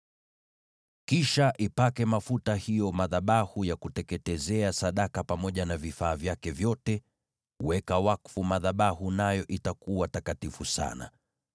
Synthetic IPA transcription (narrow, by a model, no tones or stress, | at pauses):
kiʃaʔipakɛmafutahijɔmaðaɓahujakutɛkɛtɛzɛasaɗakapamɔʄanavifaːvjakɛvjɔtɛ | wɛkawakfumaðaɓahunajɔʔitakuwatakatifusa̰na̰